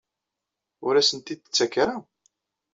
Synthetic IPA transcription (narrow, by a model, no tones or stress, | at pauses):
ʊɾæsənt̪id̪t͡sːækːɾa